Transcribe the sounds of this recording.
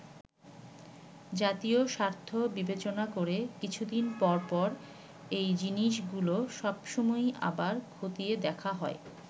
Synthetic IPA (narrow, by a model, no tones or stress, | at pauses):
d͡ʑat̪ioʃaɾt̪ʰobibet͡ɕonakoɾekit͡ɕʰud̪inpɔɾpɔɾ | ejd͡ʑiniʃ̬ɡuloʃɔbʃomɔja̰baɾkʰot̪ied̪ɛkʰaɦɔe